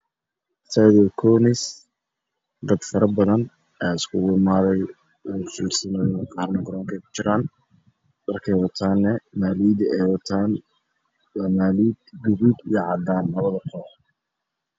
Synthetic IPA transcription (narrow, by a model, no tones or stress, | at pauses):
saːðɛkʰɔːnɪs | d̪ɐd̪fɐɾɐbɐðɐn | ɛːɪskʰʊwʊmaːðɛj | uːfiːrsɐnɐjqɑːɾnɐɡɔɾɔːŋkʰɛjkʰʊ̥t͡ʃɪɾaːn | ɖɐrkʰɛjwɐt̪ʰaːnːɛmaːliːd̪ɛwɐt̪ʰaːn | waːmaːliːd̪ɡʊɣʊd̪ijɞʕɑd̪aːnlɐβɐðɐqʰɔːħ